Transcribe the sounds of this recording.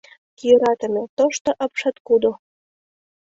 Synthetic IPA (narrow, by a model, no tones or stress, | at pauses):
kijøɾɑt̪ə̆met̪oʃt̪ŏʔɤpʃɑt̪kud̪o